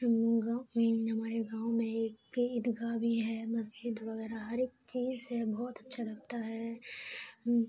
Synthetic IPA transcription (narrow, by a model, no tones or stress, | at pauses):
ɡaɦɐmaːɾeɡãːʊmẽeːkɪd̪ɡabʱiɦɛːbɐs̬d͡ʒiːd̪ʋɐɣɛːɾaɦɐɾeːk̚t͡ʃiːzhɛbɔːt̪ɐtːʃʰaɾɐkʰt̪aɦɛː